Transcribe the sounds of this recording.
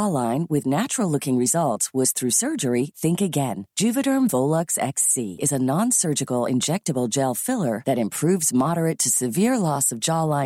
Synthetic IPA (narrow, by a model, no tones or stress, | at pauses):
ɑlãɪ̃nwɪðnæt͡ʃɹl̩ˠlʊkɪ̃ŋɹɨzʌlˠtswʌz̥θɹʉsɜ˞d͡ʒə˞iθɪ̃ŋkɨɡɛ̃nd̥ʒ̥ʉvɨɾə̃˞ɱvoʊlˠʌksɛ̰ksḭɨzənɑ̃nsɜ˞d͡ʒɨkl̩ˠɪ̰̃nd͡ʒɛk̚tɨbl̩ˠd͡ʒɛlˠfɪlˠə˞ðɨɾɨ̃mpʰɹ̥ʉvzmɑɾə˞ɨtʰɨsɨvɪɹlɔsʌvd͡ʒɑlãɪ̃